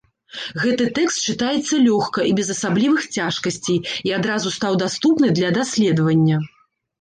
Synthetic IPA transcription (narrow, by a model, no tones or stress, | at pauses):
ɣɛt̪ɨt̪ɛkst̪̚t͡ʂɨt̪ajɛt̪sːɐlʲɔxkɐibʲɛzɐsablʲivɨxt͡sʲaʂkɐsʲt͡sʲejiad̪ɾazust̪awd̪ast̪upnɨd̪lʲɐd̪asʲlʲɛd̪ɐvɐnʲːɐ